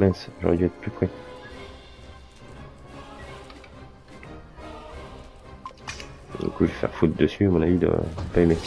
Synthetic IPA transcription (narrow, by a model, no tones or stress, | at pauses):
lɛ̃sʒɔ̰ʁɛ̰d̪iɛt̪χplypχɛ | ɔ̰̃kuefɛ̰ʁfut̪̚d̪əsyamɔ̃navid̪ə̰dəpaeme